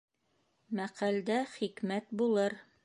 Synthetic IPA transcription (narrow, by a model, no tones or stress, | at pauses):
mæqæld̪æχikmæt̪bulˠɤɾ